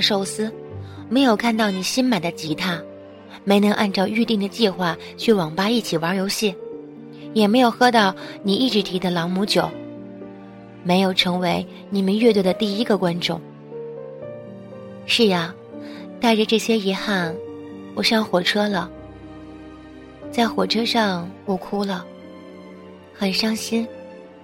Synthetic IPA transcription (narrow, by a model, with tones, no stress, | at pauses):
ʂo˥˩ʊsɹ̩˥me˧˥ɪjo˨˩ʊkʰa˥˧nt̪ɑ˥˩ʊni˨˩ɕi˥nma˨˩nd̪ə˦t͡ɕi˧˥t̪ʰa˥˩ | me˧˥ɪnɤ˧˥ŋʔa˥˧nʈ͡ʂɑ˥˧ʊy˥˧t̪i˥˩ŋd̪ə˩t͡ɕi˥˧xwa˥˩ | t͡ɕʰy˥˩wɑ˨˩ŋpa˥i˥˩t͡ɕʰi˨˩wa˧˥jo˧˥ʊɕi˥˩n | jɛ˨˩me˧˥ɪjo˨˩ʊxɤ˥t̪ɑ˥˩ʊni˨˩i˥˩ʈ͡ʂɻ̩˧˥t̪ʰi˧˥d̪ə˧lɑ˧˥ŋmu˧˥t͡ɕjo˨˩˦ʊ | me˧˥ɪjo˨˩ʊʈ͡ʂʰɤ˧˥ŋwe˧˥ɪ | ni˨˩mə˧˦nɥɛ˥˧t̪wɛ˥˩d̪ə˨t̪i˥˧i˥ɡə˨˧kwa˥nʈ͡ʂʊ˥˩ŋ | ʂɻ̩˥˩a˨˩ | t̪a˥˩ɪʈ͡ʂə˩ʈ͡ʂɤ˥˩ɕjɛ˥i˧˥xa˥˩n | wɔ˨˩ʂɑ˥˩ŋxwɔ˨˩ʈ͡ʂʰɤ˥lə˨ | t͡sa˥˩ɪxwɔ˨˩ʈ͡ʂʰɤ˥ʂɑ˥˩ŋwɔ˨˩kʰu˥lə˨ | xə˨˩nʂɑ˥ŋɕi˥n